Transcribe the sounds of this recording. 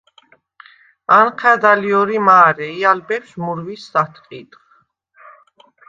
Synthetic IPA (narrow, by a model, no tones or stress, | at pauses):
anqʰɛd̪aliɔɾimaːɾɛialbɛpsmuɾvisːat̪ʰqʼid̪χ